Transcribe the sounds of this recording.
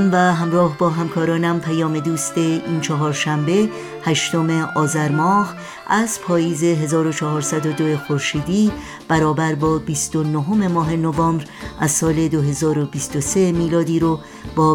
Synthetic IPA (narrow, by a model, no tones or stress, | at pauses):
mvæɦæmɾɒːɦbɒːɦæmkʰɒːɾɒːnæmpʰæjɒːme̞d̪uːst̪e̞iːnt͡ʃʰɒɦɒːɾʃæmbe̞ | hæʃt̪o̞me̞ʔɒːzæɾmɒːh | ʔæzpʰɒːjiːze̞ɦe̞zɒːɾo̞t͡ʃʰɒɦɒːɾsæd̪o̞d̪oexoɾʃiːd̪iː | b̥æɾɒːbæɾbɒːbist̪o̞noɦo̞me̞mɒːɦe̞novɒːmbɾʔæzsɒːle̞d̪oɦe̞zɒːɾo̞biːst̪ose̞miːlɒːd̪iːɾo | b̥ɒː